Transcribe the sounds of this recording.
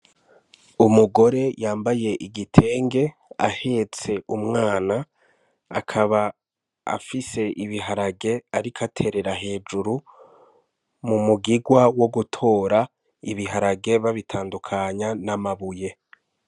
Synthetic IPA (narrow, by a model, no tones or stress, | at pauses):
umuɡo̞ɾe̞jaːmbaje̞ʔiɡitʰe̞ːŋɡe̞ | a̰he̞t͡se̞umŋaːnaː | kʰaβa | a̰fise̞ʔiβiɦaɾaɡe̞aɾikʰatʰe̞ɾe̞ɾaɦe̞ːd͡ʒuɾu | mumuɡiɡwawo̞ɡutʰo̞ːɾa | iβiɦaɾaɡe̞βaβitʰaːndukʰaɲanamaβuje̞